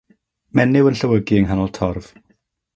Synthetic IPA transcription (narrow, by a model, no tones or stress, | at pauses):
mɛnɪwənɬəwəɡiəŋɦanɔlˠtʰɔrv̥